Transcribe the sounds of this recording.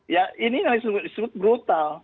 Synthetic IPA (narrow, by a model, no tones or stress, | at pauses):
jaʔininalsist̪bʊt̪̚bɾut̪al